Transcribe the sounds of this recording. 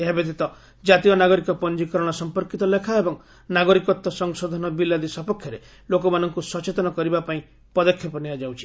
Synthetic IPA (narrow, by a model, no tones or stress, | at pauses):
eɦabet̪it̪ɔ | d͡ʒat̪iɔnaɡɔɾikɔpɔnd͡ʒikɔɾɔɽ̃ɔsɔmpɔɾkit̪ɔlekʰaebɔŋ | naɡɔɾikɔt̪ːɔsɔŋsɔd̪ʱɔnɔbilːad̪isɔpɔkʰjɔɾe | lokɔmanɔŋkusɔt͡ʃet̪ɔnɔkɔɾibapaĩ | pɔd̪ɔkʰːjɔpɔniad͡ʒawt͡ʃʰi̥